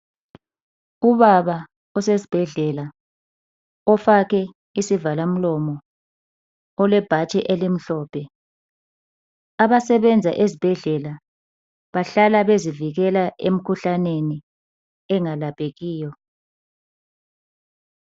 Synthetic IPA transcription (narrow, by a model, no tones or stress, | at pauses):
uβaβa | ɔsesi̥b̥ʱɛɮɛla | ɔfakɛ | isivalam̩lɔmɔ | lwɛb̥ʱat͡ʃʰʼɛʔelim̩ɬɔːpʰɛ | aβasɛβɛnd͡zʱaʔezib̥ʱɛɮɛla | βaɬalaβeziviɣɛlaʔḛm̩kʰuɬaneni | ɛŋalapʰʼeɣiːjɔ